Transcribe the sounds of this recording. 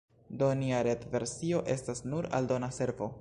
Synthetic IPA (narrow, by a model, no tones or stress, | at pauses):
doniaɾet̪ve̞ɾsio̞ʔe̞stasnuɾa̰ldo̞nase̞ɾvo̞